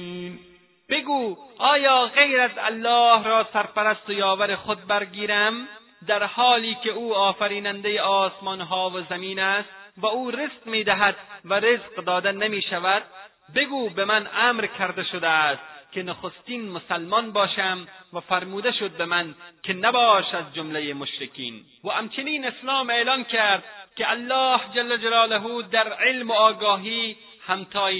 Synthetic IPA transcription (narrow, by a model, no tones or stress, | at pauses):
b̥eɡuːɒːjɒːʁejɾæzæ̰lːɒːhɾɒːsæɾpæɾæst̪ojɒːvæɾeχod̪̚bæɾɡiːɾæm | d̪æɾhɒːliːkʲeuːɒːfæɾiːnænd̪ejeʔɒːsmɒnɦɒːvozæmiːnæst̪væuːɾezqmiːd̪æɦæd̪̚væɾezqd̪ɒːd̪enemiːʃævæd̪̚ | be̞ɡuːbemænæːmɾkʰæɾd̪eʃod̪æst̪kʲʰenoxost̪iːnmosælmɒːnbɒːʃæmvæfæɾmuːd̪eʃod̪̚bemænkʲʰenæbɒːʃazd͡ʒomlejemoʃɾekḭːn | væhæmt͡ʃʰeniːneslɑːmeːlɑːnkaɾd̪̚kealːɒːhd͡ʒalːæd͡ʒalɒːlæɦuːd̪æɾʕelmoɒːɡɒːɦiː | hæmt̪ʰɒːj